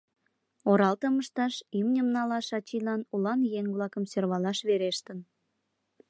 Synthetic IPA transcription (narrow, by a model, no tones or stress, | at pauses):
oɾɑlt̪əməʃt̪ɑʃimnʲəmnɑlɑʃɑt͡ɕilɑnulɑnjeŋβlɑkəmsørβɑlɑʃβeɾeʃt̪ən